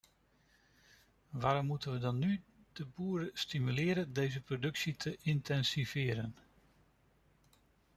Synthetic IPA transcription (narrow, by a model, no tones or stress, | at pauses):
ʋaːɾɔmːutənʋədɑnːyd̥əbuːɾəstimylɪːɾəndejzəprodɵksitʰəʔɪntʰɛnsiv̥ɪːɾən